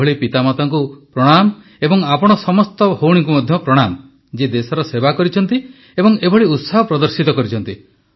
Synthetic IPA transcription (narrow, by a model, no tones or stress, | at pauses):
ɔɭipit̪amat̪aŋkupɾɔɽ̃am | ebɔŋapɔɽ̃ɔsɔmɔst̪ɔhowɽ̃iŋk̬umɔd̪ʱjɔpɾɔɽ̃amɔ | d͡ʒed̪esɔɾɔsebakɔɾit͡ʃʰɔn̪t̪i | ebɔŋebʱɔɭiut̪sɔɦɔpɾɔd̪ɔɾsit̪ɔkɔɾit͡ʃʰɔnt̪i